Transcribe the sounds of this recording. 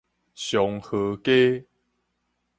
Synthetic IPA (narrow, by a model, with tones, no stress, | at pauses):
ɕjɔ˨ŋhɤ˨˩˦ke˦